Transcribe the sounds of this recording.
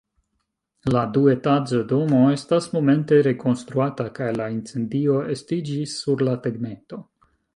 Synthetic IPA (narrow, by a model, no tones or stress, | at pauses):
ladue̞tad͡zodo̞mo̞e̞stasmo̞me̞nte̞ɾe̞ko̞nst̪ɾuatakajlaint͡se̞ndio̞e̞stid͡ʒisːuɾlateɡmeto̞